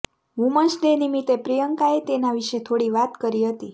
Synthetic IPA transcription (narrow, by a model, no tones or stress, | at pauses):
ʋũmət͡ʃd̪enimit̪epɾijəŋkaet̪enaʋiʃet̪ʰoɽiʋat̪kəɾiɦət̪i